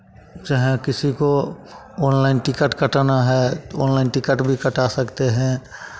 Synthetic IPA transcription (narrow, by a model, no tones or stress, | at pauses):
d͡ʒəɦɛ̃kɪsiko | ɔːnlaɪnʈɪkəʈkəʈnaɦɛɔːnlaːɪnʈɪkəʈbʱikəʈasɐkt̪eɦɛ̃